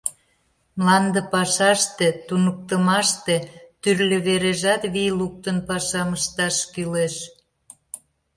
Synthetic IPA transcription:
mlɑnd̪əpɑʃɑʃt̪et̪unək̚t̪əmɑʃt̪et̪yrlʲə̆βeɾeʒɑt̪βiluk̚t̪ənpɑʃɑməʃt̪ɑʃkyleʃ

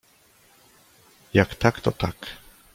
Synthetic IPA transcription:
jakt̪akt̪ɔt̪ak

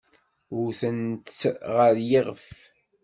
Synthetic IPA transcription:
ʊɾθənt̪t͡sʁəɾjiʁəf

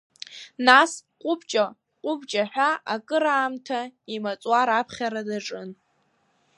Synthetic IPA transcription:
nasqʷʼʊbt͡ʃʼa | qʼʊbt͡ʃʼaħᶣʷaʔakʼɨɾaːmtʰaimat͡sʼwaɾapʰχʲaɾadaʈ͡ʂʼɨn

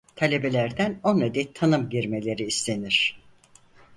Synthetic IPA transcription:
t̪ʰalʲe̞be̞lʲæɾd̪ænoned̪ɛt̪ʰanɯmɟiɾme̞lʲe̞ɾiːst̪ʰʲe̞niɾ̥

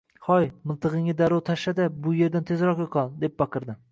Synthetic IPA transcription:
χɒjmɪlˠt̪ʰɨʁɨŋɪd̪aɾɒwt̪ʰaʃad̪abʊje̞ɾd̪ant̪ʰe̞zɾɒqjoqʰɑlˠd̪e̞p̚bɑqʰɨɾd̪ɪ

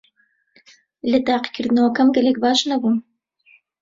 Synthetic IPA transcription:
lɨt̪ɑːqi̥kʰɨɾd̪ɨnɐwɐkɐmɡɐlɛk̚baːʃnɐbun

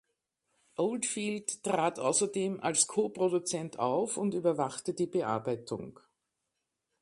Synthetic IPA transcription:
ʔoldfiːlttːʁ̥aːtʔa̰ʊsɐdeːmʔa̰lskʰoːpʁodut͡sɛntʰa̰ʊfʊntyːbɐvaχtədiːbəʔa̰ɐbæɪtʰʊ̰ŋ

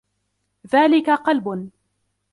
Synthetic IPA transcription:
ðaːlɪkaqɑlbʊn

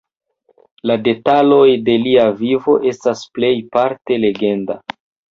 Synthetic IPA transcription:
lade̞talo̞jde̞liavivo̞ʔe̞stasple̞jpaɾte̞le̞ɡe̞nda

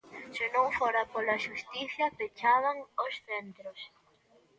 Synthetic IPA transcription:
sɪnõŋfoɾapolaʃust̪iθjapet͡ʃaβaŋosθent̪ɾos

